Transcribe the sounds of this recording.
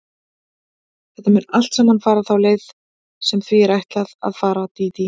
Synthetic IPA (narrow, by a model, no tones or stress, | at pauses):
θɛht̪amʏnal̥t̪sɛmhanfaːɾaθawleːjð | sɛmθviɛɾajht̪laða̰ðfaːɾat̪iːt̪i